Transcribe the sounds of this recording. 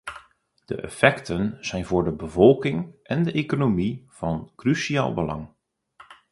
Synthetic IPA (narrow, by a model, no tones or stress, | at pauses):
d̥ə̰ʔɛ̰fɛktʰənz̥ɛjnvʊːɹdəbəvɔlˠkɪŋʔɛndəʔekonomiv̥ɑnkrysia̰ːlˠbəlɑ̰ŋ